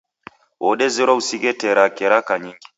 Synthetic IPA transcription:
wɔɗɛziɾɔusiɡɛtɛɾakɛɾakaɲiŋɡi

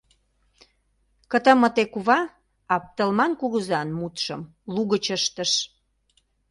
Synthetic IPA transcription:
kə̆t̪ə̆mə̆t̪ekuβɑ | ɑp̚t̪əlmɑnkuɣəzɑnmut̪ʃə̰̆m | luɣət͡ɕəʃt̪ə̆ʃ

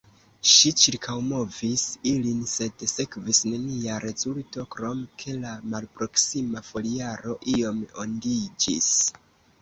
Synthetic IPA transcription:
ʃit͡ʃiɾkʰawmo̞visilinse̞dse̞kvisne̞niaɾe̞zulto̞kɾo̞mkʰe̞lamalpɾo̞ksimafo̞liaɾo̞ʔio̞mondid͡ʒḭs

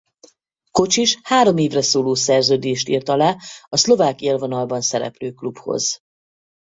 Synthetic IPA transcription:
ko̞t͡ʃiʃhaːɾo̞meːvrɛsoːloːsɛrzøːd̪eːʃt̪ḭːrt̪ɒlaːɒslo̞vaːkelvonɒlbɒnsɛɾɛ̰pløːklupho̞̰z̥

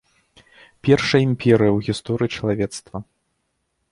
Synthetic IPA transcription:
pʲɛrʂɐjimʲpʲɛɾɨjɐwɣʲist̪ɔɾɨjit͡ʂɐlˠavʲɛt̪st̪vɐ

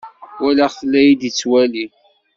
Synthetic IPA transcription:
wælæʁθlːæjid̪it͡sːwæli

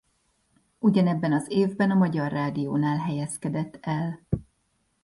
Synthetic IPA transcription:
uɟɒnɛbːɛnɒzeːvbɛnɒmɒɟɒrːaːd̪ijoːnaːlɦɛjɛskɛd̪ɛt̪ːɛl

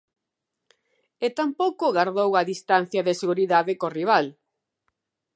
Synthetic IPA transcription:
et̪ampowkʊɣaɾðowaðist̪an̟θjɐðɪseɣuɾiðaðɪkoriβ̞al

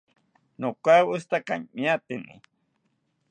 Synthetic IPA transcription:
nokʷawʊst̪akaŋmiat̪inḭ

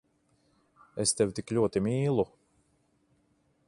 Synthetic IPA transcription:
est̪ewt̪iklʲuɔt̪imʲiːlˠu

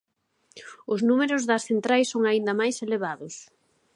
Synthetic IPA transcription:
ʊznumeɾʊzðɐsθent̪ɾajsoŋaind̪ɐmajseleβ̞aðʊs

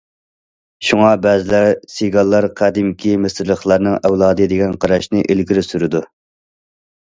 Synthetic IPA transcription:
ʃuŋɑbɛzɪlæɾsiɡɑlˠːɑɾqʰæd̪ɪmkʲʰimɪsɪɾlˠəχlˠɑɾnɨŋɛwlˠɑːd̪ɨd̪ɪɡʲɛnqʰɑɾɑʃnɪʔilɡʲiɾɪsyɾɪd̪u

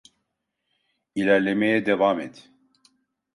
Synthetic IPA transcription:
ilæɾlɛmɛjɛd̪ɛvaːmɛt̪

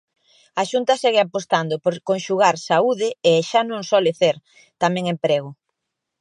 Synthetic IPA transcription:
aʃunt̪ɐsɛɣɪapost̪and̪opoɾkõŋʃuɣaɾsauðɪeʃanõŋsɔlɪθeɾ | t̪amɛ̃ŋempɾeɣʊ

